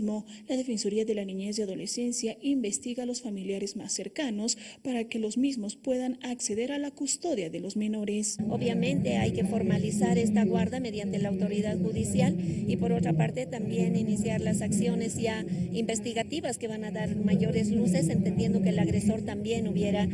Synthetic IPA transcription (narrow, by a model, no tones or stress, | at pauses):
mo̞laðe̞fe̞nsoɾiaðe̞laniɲe̞zðeaðo̞le̞se̞nsjaʔimbe̞st̪iɣaːlo̞sfamiljaɾe̞zma̰se̞ɾkano̞spaɾake̞lo̞zmizmo̞spwe̞ðanakse̞ðe̞ɾalakust̪o̞ðjaðe̞lo̞zme̞no̞ɾe̞so̞βjamẽ̞nt̪e̞ajke̞fo̞ɾmalisaɾe̞st̪aɣwaɾðame̞ðjant̪e̞laːwt̪o̞ɾiðaðxuðisjalipo̞ɾo̞t̪ɾapaɾt̪e̞t̪ambje̞ninisjaɾlasaksjo̞ne̞sʝaimbe̞st̪iɣat̪iβaske̞βanaðaɾmaʝo̞ɾe̞zluse̞se̞nt̪end̪je̞nd̪o̞keːlaɣɾe̞so̞ɾt̪ambje̞nuβje̞ɾa